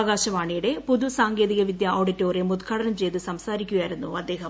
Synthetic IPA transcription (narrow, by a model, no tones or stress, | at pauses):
ɣaːɕɐʋaːɳijuɽe̞puðusaːŋɡe̞ːðiɣɐʋid̪jɐʔoːɖitːo̞ːremud̪kʰaːɽɐnɐmt͡ɕe̞jt̪ɨsɐmsaːɾikʲːuɣajiɾunːuɐd̪ːe̞ːɦɐm